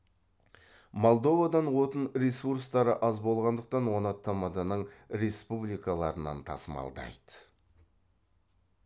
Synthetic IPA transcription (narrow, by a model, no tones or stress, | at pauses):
mo̞lˠd̪o̞vad̪ɑnwo̞t̪ənɾesuɾst̪ɑɾəʔɑzbo̞lˠʁɑnd̪əq̚t̪ɑnwo̞nɑt̪ːɑmɑd̪ɑnəɴɾe̞spublijkalˠɑɾənɑ̰nt̪ʰɑ̰səmɑ̰lˠd̪ɑ̰jd̪ə